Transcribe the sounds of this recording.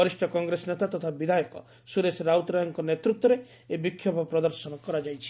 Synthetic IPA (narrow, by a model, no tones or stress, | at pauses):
ɔɾisʈɔkɔŋɡɾesɔnet̪at̪ɔt̪ʰabid̪ʱajɔkɔ̰ | suɾesɾawt̪ɾajɔŋkɔnet̪ɾut̪wɔɾe | ebikʰːjɔbʱɔpɾɔd̪ɔɾsɔnɔkɔɾad͡ʒajt͡ʃʰi̥